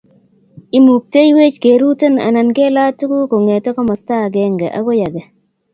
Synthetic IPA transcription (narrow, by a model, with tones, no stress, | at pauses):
i˦mu˨k̚te˦jwe˦t͡ʃke˨ɾu˦tə˦na̰˨na˨nɡe˦la˦tːu˦ku˦ko˨ŋe˨tɔ˦kɔ˦mɔ˨sta˦˨ɡɛ˦ŋɡa˨ʔa̰˦ɡo˦ja˨ɡa˨